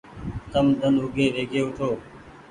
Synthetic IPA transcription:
t̪əmd̪ənɦʊɡʱeːʋeːɡʰʱeːʊʈʰoː

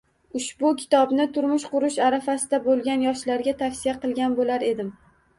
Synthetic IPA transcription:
ʊʃbʊkʲʰɪ̥t̪ɒbnɪt̪ʰʊɾmʊʃqʊɾʊʃaɾafasɪd̪abolˠɡʲanjɒʃlaɾɡʲat̪ʰafsijaqɨlˠɡʲanbolaɾe̞d̪ɪm

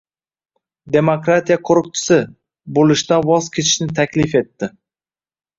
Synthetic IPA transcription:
d̪e̞mokɾat̪ʰijaqʰʊɾʊq̚t͡ʃ̪ʰɪ̥sɪ | bolɪʃt̪anvɒzkʲʰe̞t̪ʰɪ̥ʃnɪt̪ʰakʲlɪfe̞t̪ːɪ

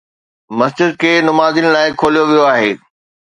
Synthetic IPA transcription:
mɐsd͡ʑɪd̪̚kʰeːnʊmaːzinlaːɪkʰoːlijoʋijoaːɦeː

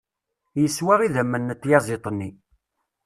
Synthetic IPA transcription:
jəswæʁiðæmːənːət̪ːjɑzˤet̪ˤənːi

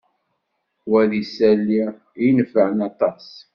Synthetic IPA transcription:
wæðisælːi | jənəfəʕənɑt̪ˤɑs

